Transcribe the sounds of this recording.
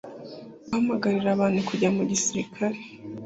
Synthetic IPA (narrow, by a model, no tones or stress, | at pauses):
ahamaɡaɾiɾaβaːnukuɟamuɟisiɾikʰaɾe